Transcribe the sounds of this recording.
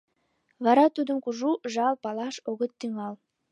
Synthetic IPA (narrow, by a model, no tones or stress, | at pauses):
βɑɾɑt̪ud̪əmkuʒuʒɑlpɑlɑʃoɣət̪ːyŋɑl